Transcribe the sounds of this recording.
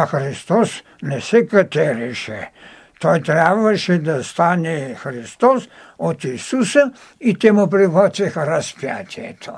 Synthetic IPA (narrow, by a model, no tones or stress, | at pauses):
axɾist̪os | nɛsɛkat̪ɛɾiʃɛ | t̪ojt̪ɾaʋaʃɛd̪ast̪aːnɛxɾist̪os | ɔt̪isusɐ | it̪emupɾiɣɔsɛxɾaspja̰t̪ʲjɛ̰t̪ʰo